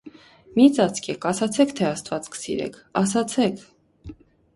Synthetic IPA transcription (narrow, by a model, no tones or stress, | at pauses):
mit͡sɑt͡sʰkʰɛkʰɑsɑt͡sʰɛkʰt̪ʰɛɑst̪vɑt͡skʰə̥sḭɾɛ̰kʰɑs̬ɑt͡sʰɛkʰ